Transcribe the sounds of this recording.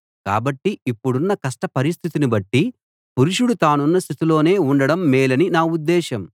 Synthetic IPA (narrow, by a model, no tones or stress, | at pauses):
ka̰ːbɐʈːiipːuɽunːɐkɐsʂʈɐpɐɾis̬t̪ʰit̪inibɐʈːi | puɾuʂuɽut̪aːnunːɐst̪ʰit̪ulo̞ːne̞ːuɳɖɐɽɐmːɛːlɐninaːud̪ːɛːʃɐm